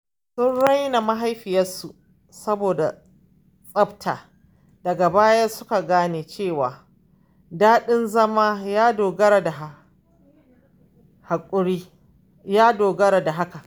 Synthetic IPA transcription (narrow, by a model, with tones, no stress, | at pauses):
sʊ˦nɽa˦jna˨ma˦ɦa˦jɸɪ˨jɐ˦su˨ | sɐ˦boː˨da˨ | sʼɐ˦btʰaː˨ | d̥ɐ˨ɡa˨baː˦jɐ˦rsʊ˦ka˨ɡaː˦neː˨t͡ʃeː˦˨waː˨ | daː˦ɗɪ˦nzɐ˦maː˦jaː˦doː˨ɡɐ˦ɾa˨da˨ɦ | ha˨kʷʼʊ˦ɽiː˦ | jaː˦doː˨ɡɐ˦ɾa˨da˨ɦa˦ka˨